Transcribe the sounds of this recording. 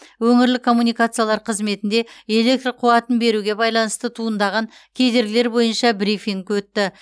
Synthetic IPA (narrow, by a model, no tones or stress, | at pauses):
wɵŋɪɾlɪkʰo̞mːunijkat̪sɨjalˠɑɾqʰəzme̞t̪ɪnd̪e̞e̞le̞k̚t̪roqʰuwɑt̪ənbe̞ɾuɡʲe̞bɑjlˠɑnəst̪ət̪ʰuənd̪ɑʁɑŋ | kʲʰe̞d̪e̞ɾɡʲɪleɾbo̞jənʃɑbɾifiŋkwɵt̪ːɪ